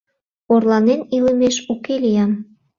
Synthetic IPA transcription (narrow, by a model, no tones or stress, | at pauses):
orlɑnenilə̆meʃukelijɑm